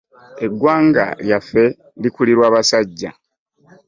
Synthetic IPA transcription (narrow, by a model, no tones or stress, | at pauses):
e̞ɡwaːŋɡa̰ljafːe̞ | likuliɾwaːβasaɟːa